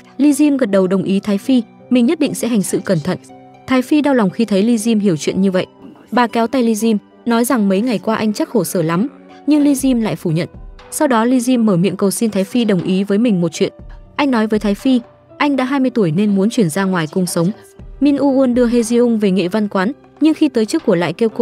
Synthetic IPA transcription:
li˧zi˧mɣə˨˩t̚ɗə˨˩wɗə˨˩wŋ͡mʔi˨˦t̪ʰaː˨˦jfi˧ | mï˨˩ŋ̟ɲə˦˥t̚ɗḭ˧˨ŋ̟sɛ̰˧˥ɦa˨˩ŋ̟sɨ̰˧˨kə˧˩nt̪ʰə̰˧˨n | t̪ʰaː˨˦jfi˧ɗaː˧wla˨˩wŋ͡mxi˧t̪ʰə˨˦jli˧zi˧mɦi˧˩əwt͡ɕwḭ˧˨ənɲɨ˧və̰˧˨jʔɓaː˨˩kɛ˨˦wt̪a˧jli˧zi˧m | nɔ˨˦jza˨˩ŋmə˨˦jŋa˨˩jkwaː˧ʔa˧jŋ̟t͡ɕa˦˥k̚ho˧˩səː˧˩la˨˦m | ɲɨ˧ŋli˧zi˧mla̰ː˧˨jfu˧˩ɲə̰˧˨nsa˧wɗɔ˨˦li˧zi˧mːəː˧˩mḭ˧˨ənkə˨˩wsi˧nt̪aː˨˦jfi˧ɗə˨˩wŋ͡mʔi˨˦vəː˨˦jmï˨˩ŋ̟mo˨˩t̚t͡ɕwḭ˧˨ənʔa˧jŋ̟nɔ˨˦jvəː˨˦jt̪ʰaː˨˦jfi˧ | ʔa˧jŋ̟ɗa̰ː˧˥ɦaː˧jmɨ˧əjt̪u˧˩əjne˧nmu˨˦ənt͡ɕwi˧˩ənzaː˧ŋwaː˨˩jkʊ˧ŋ͡msə˨˦wŋ͡m | mi˧nʔu˧ʔu˧ənɗɨ˧əɦe˧zi˧ʔʊ˧ŋ͡mve˨˩ŋḛ˧˨va˧nkwaː˨˦n | ɲɨ˧ŋxi˧t̪əː˨˦jt͡ɕɨ˦˥kːu˧˩əla̰ː˧˨jke˧wko̰˧˨

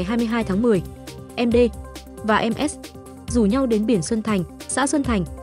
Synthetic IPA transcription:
jɦaː˧jmɨ˧əɦaː˧jt̪ʰaː˨˦ŋmɨ˨˩əj | ʔɛ˧mɗe˧ | vaː˨˩ʔɛ˧mʔɛ˦˥s̚ | zu˨˩ɲa˧wɗe˨˦nɓi˧˩ənswə˧nt̪ʰa˨˩jŋ̟ | sa̰ː˧˥swə˧nt̪ʰa˨˩jŋ̟

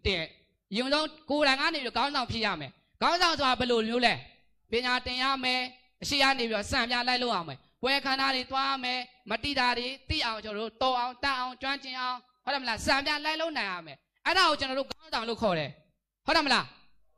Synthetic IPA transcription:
tɪ̃˨ | jʊ̃˨nzõ˦ko˨ɾã˨ɪ̃ŋɡa̰˦˨ne˨pi˦ɔ˦˨ɡã˦nzã˨ʊ̃mpʰjɪ˦ja̰˦˨mɛ̰˨ | ɡ̥ã˦ʊ̃nzã˨ʊ̃nso˨a˨bɛ˨lo˨mjo˦lɛ˦ | pjɪ̃˨ɲa˨tɪ̃˨ja̰˦˨mɛ˨ | ʔəʃḛ˦˨ka̰˦˨ne˨pi˦ɔ˦˨sã˨mpjã˦la˦ɪlo˦ʊʔja̰˦˨mɛ̰˨ | pwɛ˦kʰã˨na˦ɾe˨t̪wa˦ja˦˨mɛ˨mət̪ḭ˦˨da˨de˨t̪ḭ˦˨ʔã˨ʊ̃ɲt͡ɕə˨ɔ˨o̰˦˨t̪ɔ˦ʔã˨ʊ̃t̪ɛ˦ʔã˨ʊ̃ɲt͡ɕwã˦ɲt͡ɕɪ̃˨ʔã˨ʊ̃ho˦tːɛ˨mə˨la˦sã˨mpja˦la˦ɪlo˦ʊʔnã˨ɪ̃ja̰˦˨mɛ˨ | ʔɛ˦ɾa˨ɣo˨t͡ɕə˨nɔ˨ɾo˦˨ɡã˦nzã˨lo̰˦˨kʰɔ˨ɾɛ˨ | ho˦tɛ˨mə˨la˦

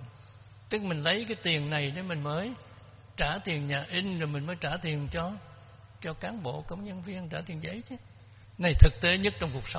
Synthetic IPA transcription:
t̪ɨ˦˥k̚mï˨˩ŋ̟lə˨˦jkaː˨˦jt̪i˨˩ənna˨˩jɗe˨˩˦mï˨˩ŋ̟məː˨˦j | t͡ɕaː˧˩t̪i˨˩ənɲaː˨˩ʔi˧ŋ̟zo˨˩jmï˨˩ŋ̟məː˨˦jt͡ɕaː˧˩t̪i˨˩ənt͡ɕɔ˧ | t͡ɕɔ˧kaː˨˦nɓo̰˧˨kə˧wŋ͡mɲə˧nvi˧ənt͡ɕaː˧˩t̪i˨˩ənzə˨˦jt͡ɕɨ˨˦ | na˨˩jt̪ʰɨ˨˩k̚t̪e˨˦ɲə˦˥t̚t͡ɕɔ˧wŋ͡mku˨˩ək̚sə˨˦ŋ͡m

